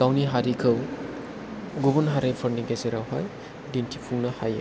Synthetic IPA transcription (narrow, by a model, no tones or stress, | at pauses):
dawniɦaɾikʰɯw | ɡubɔnɦaɾepʰɔɾniɡezeɾawɦaj | dintʰipʰuŋnahaj